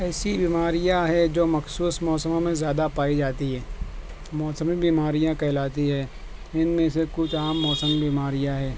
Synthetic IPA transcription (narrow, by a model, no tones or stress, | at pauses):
ɛːsibiːmaːɾɪjaɦɛd͡ʒoːmɐxsuːsmɔːsəmõmẽzjaːd̪apaːid͡ʒaːt̪iɦɛː | mɔːsəmibiːmaːɾijãkɛːlaːt̪iɦɛː | ɪnmẽsekʊt͡ʃʰaːmːɔːsəmbiːmaːɾijaɦɛː